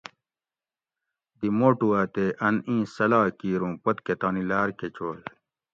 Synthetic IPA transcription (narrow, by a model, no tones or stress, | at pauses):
d̪imoːʈuaːt̪eʔɐnĩːsɐlaːkiːɾũːpɐt̪ket̪aːnilaːɾket͡ɕoːl